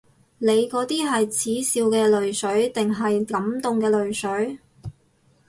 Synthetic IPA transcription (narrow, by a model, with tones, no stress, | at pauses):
le˨˧jkɔː˨˥t̪iː˥ɦɐ˨jt͡sʰiː˨˥siː˧wkɛː˧lɵ˨ɥsɵ˨˥ɥt̪ɪ˨ŋɦɐ˨jkɐ˨˥mt̪ʊ˨ŋkɛː˧lɵ˨ɥsɵ˨˥ɥ